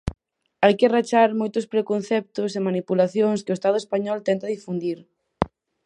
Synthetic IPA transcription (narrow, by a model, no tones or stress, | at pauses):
ajkerat͡ʃaɾmojt̪ʊspɾekon̟θɛp̚t̪ʊsemanipulaθjoŋskeoest̪aðʊespaɲɔlt̪ɛnt̪aðifund̪iɾ